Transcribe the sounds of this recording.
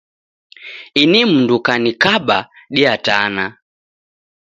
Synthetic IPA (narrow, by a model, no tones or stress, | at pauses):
inim̩ndukanikaɓaɗiatana